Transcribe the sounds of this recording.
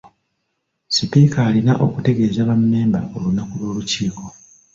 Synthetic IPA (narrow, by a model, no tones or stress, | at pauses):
sipikaːlinaʔokute̞ɡe̞ːzaβamːe̞ːmbao̞lunakulwo̞ːluciːko̞